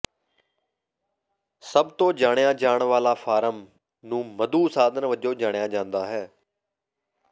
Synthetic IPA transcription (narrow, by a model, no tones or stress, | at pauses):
səbt̪õːd͡ʒaːɽ̃jãːd͡ʒaːɳʋaːlaːfʰaːɾəm | nũːməd̪uːsaːd̪ənʋəd͡ʒõːd͡ʒaːɽ̃jaːd͡ʒãːnd̪aːɦɛː